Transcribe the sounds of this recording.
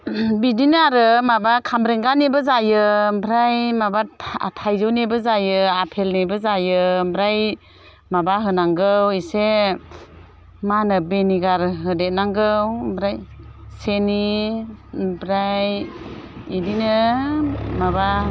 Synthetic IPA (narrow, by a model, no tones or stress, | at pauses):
bidinaɾɯmabakʰamɾeŋɡanebɯzajɯbɾajmabaa̰tʰajzɯwnebɯzajɯapʰelnebɯzajɯbɾaj | mabaɦɯnaŋɡɯwise | manɯbeniɡaɾɦɯdet̚naŋɡɯwbɾajseni | bɾaj | idinɯ | maba